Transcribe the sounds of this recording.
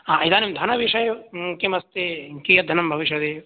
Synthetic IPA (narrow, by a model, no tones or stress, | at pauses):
aɐid̪aːnimd̪ʱɐnɐʋiʃɐjɐkemɐst̪ekijɐd̪ʱɐnɐmbʱɐʋiʃjɐd̪eːʋ